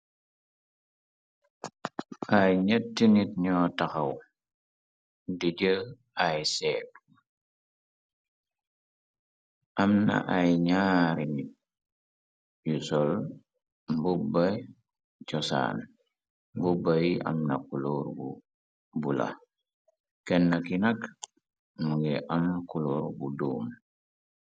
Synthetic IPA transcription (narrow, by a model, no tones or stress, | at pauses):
ʔajɲətːinit̚ɲɔːtaxɐw | diɟəl | ajsɛːp̚ | ʔɐmnɐ̰ʔajɲaːɾinit̚ | jusɔl | mbuba | cɔsa̰ːn | mbubajiʔa̰mnakuloːɾbu | bula̰ | kɛnːakinak | muɡɛʔamkuloɾbuduːm